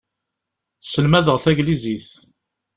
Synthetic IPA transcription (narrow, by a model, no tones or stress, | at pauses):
səlmæðəʁθæʝliziθ